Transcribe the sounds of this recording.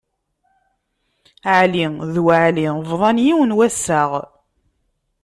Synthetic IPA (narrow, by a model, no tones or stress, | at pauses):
ʕliðwʕlivɾˤɑnjiwənwæsːaʁ